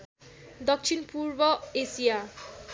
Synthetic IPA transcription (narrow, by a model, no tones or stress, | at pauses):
d̪ɔkt͡ʃʰinpuɹbɔesija